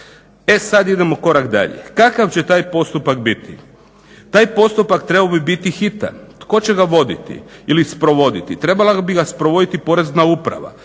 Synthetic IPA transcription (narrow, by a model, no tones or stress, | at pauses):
e̞sad̪id̪e̞mo̞ko̞ɾakd̪a̰ʎḛkakaʋt͡ɕe̞t̪aːjpo̞st̪upakbit̪ʰḭ | t̪aːjpo̞st̪upakt̪ɾebaobibit̪ixit̪a̰t̪ko̞t͡ɕeɡaʋo̞d̪it̪ḭilispɾo̞ʋo̞d̪it̪it̪ɾe̞balabiɡaspɾoʋo̞d̪it̪ipo̞ɾe̞znaupɾa̰ʋa̰